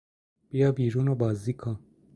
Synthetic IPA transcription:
pijabiːɾunabaːzikʰã

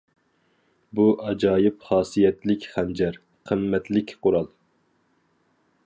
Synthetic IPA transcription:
buʔɑd͡ʒɑːjɪpχɑːsijɛt̪lɪkʲχɛnd͡ʒɛɾ | qʰəmːɛt̪lɪkʲqʊɾɑlˠ

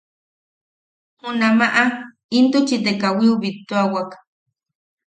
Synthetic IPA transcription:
munamaʔa | int̪ut͡ʃit̪ekawiuβit̪ːuawak

